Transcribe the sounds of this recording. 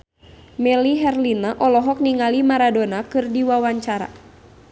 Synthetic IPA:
mɛliɦɛrlinaʔɔlɔɦɔk̚niŋalimaɾadonakɨrdiwawaɲt͡ʃaɾa̰

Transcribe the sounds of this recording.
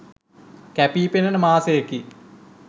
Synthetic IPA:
kæpiːpenənəmaːsejəki

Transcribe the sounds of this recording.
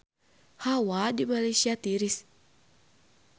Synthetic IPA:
hawadimalesiat̪iɾis

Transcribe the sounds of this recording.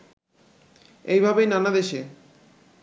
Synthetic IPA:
ejbʱabejnanad̪eʃe

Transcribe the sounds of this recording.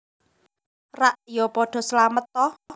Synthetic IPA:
raʔjɔpɔɖ̥ɔ̤səlamət̪ːɔ

